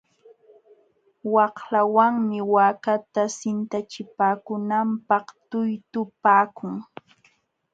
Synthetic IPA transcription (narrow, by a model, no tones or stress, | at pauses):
wɑhlawaŋmɪwaːkat̪asɪnt̪at͡ʃɪpaːkʊnampɑχt̪ʊjt̪ʊpaːkʊŋ